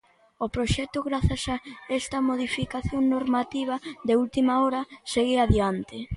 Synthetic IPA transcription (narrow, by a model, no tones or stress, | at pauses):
opɾoʃɛt̪ʊɣɾaθasaɛst̪ɐmoðifikaθjoŋnoɾmat̪iβ̞ɐðeult̪imaɔɾɐseɣeaðjant̪ɪ